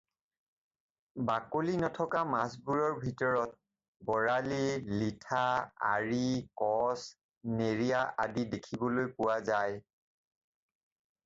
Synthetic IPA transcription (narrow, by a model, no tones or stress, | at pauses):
bakolinɔtʰɔkamasbuɹɔɹbʱitɔɹɔt̚ | bɔɹalilitʰaa̰ɹikɔs | neɹijaʔadidekʰibɔlojpʊwazaj